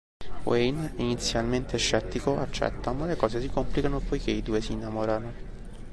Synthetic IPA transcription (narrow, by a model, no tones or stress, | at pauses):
wejninit̪sːjalment̪eʃːɛt̪ːikoat͡ʃːɛ̰t̪ːamalekɔːzesikomplikanopojkeid̪uːesinːamoːɾano